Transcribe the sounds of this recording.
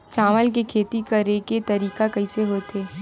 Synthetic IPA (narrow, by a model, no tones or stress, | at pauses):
t͡ʃaːʋəlk̬ekʰeːt̪ikɐɾeket̪ɐɾiːkakɐiseɦoːt̪ʰeː